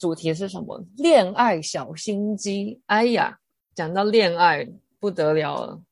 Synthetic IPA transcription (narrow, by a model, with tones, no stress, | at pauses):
ʈ͡ʂu˨˩t̪ʰi˧˥ʂ̬ɻ̩˥˩ʂ̬ə˧˦˥nmə̰˧ljɛ˥˧na˥˩ɪɕjɑ˨˩ʊɕi˥nt͡ɕi˥a˥ɪa̰˨˩ | t͡ɕjɑ˨˩ŋt̪ɑ˥˧ʊljɛ˥˧na˥˧ɪ | pu˥˩t̪ɤ˧˥ljɑ˧˥ʊlə̰˧˩